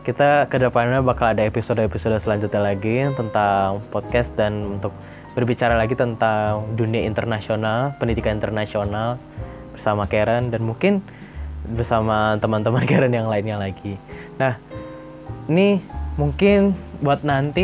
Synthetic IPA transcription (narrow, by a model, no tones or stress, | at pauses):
kit̪akədəpanɲabakaladaepisodaepisodasəlaɲd͡ʒut̪̚ɲalaɡit̪ənt̪aŋpɔt̪̚kɛst̪̚danunt̪ʊk̚ | b̥ərbit͡ʃaɾalaɡit̪ənt̪aŋduniaḭnt̪ərnasionalpəndidikanint̪ərnasional | b̥ərsamakeɾəndanmuŋkɪn | bərsamat̪əmant̪əmankeɾənjaŋlaɪnɲalaɡinah | inimuŋkɪnbuat̪̚nant̪i